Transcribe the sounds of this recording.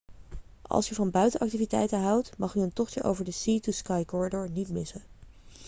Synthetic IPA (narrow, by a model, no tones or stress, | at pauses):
ʔɑ̰lˠsjəvɑnbœɥtənʔɑk̚tivitɛ̰jtəɦɑwtmɑχyəntɔχt͡ʃəʔo̰wvəɹdəsituskɑjkɔɹidɔɹnitmɪsə